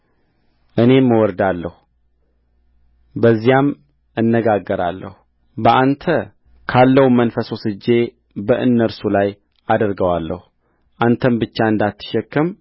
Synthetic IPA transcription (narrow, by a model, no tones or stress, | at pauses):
ʔɨne̞mːəwɔɾd̪alːəhu | bəzːijam | ɨnːəɡaɡːəɾa̰lːə̰hu | bəʔant̪ʰə | kʰalːəhumənfəsosɨd͡ʒːe̞ | bəʔɨnːəɾsulaj | ʔad̪əɾɡəwalːəhu | ʔant̪ʰəmbɨt͡ʃːaɨnd̪at̪ʰːɨ̥ʃɛkːəm